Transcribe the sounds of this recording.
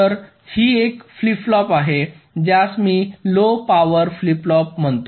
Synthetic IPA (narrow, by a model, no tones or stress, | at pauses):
əɾ | hiːekfliflɔpaɦe | d͡ʑjasmiːlopaʋəɾfliplɔpm̤əɳt̪o